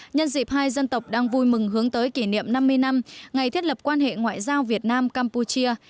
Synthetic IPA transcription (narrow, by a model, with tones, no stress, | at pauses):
ɲə˧nzḭ˨˩p̚haː˧jzə˧nt̪ə˨˩wk͡p̚ɗaː˧ŋvu˧jmɨ˨˩ŋɦɨ˨˦əŋt̪əː˨˦jki˧˩nḭ˧˨əmna˧mːɨ˧əjna˧mŋa˨˩jt̪ʰi˦˥t̚lp̚kwaː˧nhḛ˧˨ŋwa̰ː˧˨jzaː˧wvi˨˩ət̚naː˧mkaː˧mpu˧t͡ɕi˧ə